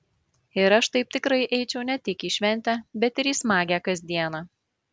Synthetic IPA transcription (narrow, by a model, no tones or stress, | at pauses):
ɪɾɐʃt̪ɐɪp̚t̪ʲɪkɾɐɪʔɛɪt͡ʃʲɛʊnʲɛt̪ʲɪkiːʃʲʋʲɛnʲt̪ʲæːbʲɛt̪ʲɪɾiːsmɑːɡʲæːkɐzʲd̪ʲiɛnɑː